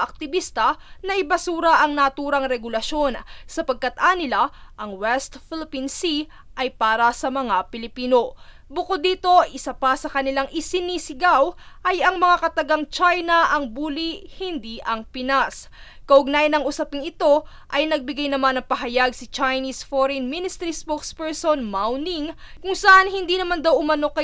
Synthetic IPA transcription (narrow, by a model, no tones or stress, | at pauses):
ɐk̚t̪ɪbiːst̪ɐnɐʔɪbɐsuːɾɐʔɐŋnɐt̪uːɾɐŋɾɛɡʊlɐʃo̞nsɐpɐɡ̚kat̪ʔanɪlaʔɐŋwɛst̪fɪlɪpinsi | ʔɐjpaːɾɐsɐmɐŋapɪlɪpiːno̞ | bʊkod̪ːiːt̪o̞ʔɪsapasɐkɐnɪlaŋʔɪsɪniːsɪɡawʔɐjɐŋmɐŋakɐt̪ɐɡaŋt͡ʃajnɐʔɐŋbuːlihɪnd̪iʔɐŋpɪnas | kɐʔʊɡ̚naːjɪnɐŋʊsɐpɪŋɪt̪o̞ | ʔɐjnɐɡ̚bɪɡajnɐmanːɐŋpɐɦɐjaɡsɐt͡ʃajnisfoɾɛnmɪnɪst̪ɛɾispokspɛɹsonmawniŋkʊŋsɐʔanhɪnd̪iːnɐmand̪awʔʊmɐno̞kɐ